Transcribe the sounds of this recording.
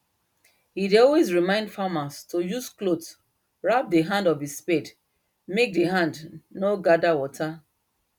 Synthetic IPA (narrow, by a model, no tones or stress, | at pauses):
hideɔlwezɹimãɪ̃ndfamastojusklot | ɹap̚deɦãndɔvispɛd | mek̚deɦãndnoɡadawɔtʰa